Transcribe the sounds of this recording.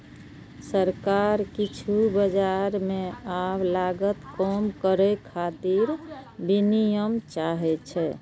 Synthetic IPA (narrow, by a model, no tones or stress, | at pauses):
səɾkaɾkit͡ʃʰubəd͡ʒaɾmẽawlaɡət̪kɔmkəɾɛkʰat̪iɾbinijəmt͡ʃaɦɛt͡ʃʰɛ